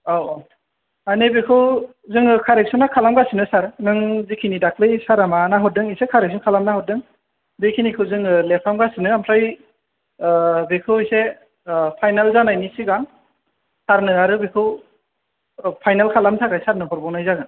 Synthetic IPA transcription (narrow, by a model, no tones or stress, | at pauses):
awɔ | anɯjbekʰɯw | zɯŋɯkʰaɾek̚sɔnakʰalamɡasinɯsaɾnɯŋzikʰinidak̚ʰlɯjsaɾamanaɦɔt̚dɯŋisekʰaɾek̚sɔnkʰalamnahɔt̚dɯŋ | bekʰinikʰɯwzɯŋɯlepʰamɡasinɯamʰaj | bekʰɯwise | pʰajnalzanajnisiɡaŋ | saɾnɯaɾɯbekʰɯw | pʰajnalkʰalamsʰakajsaɾnɯɦɔɾbɔŋnajzaɡɯn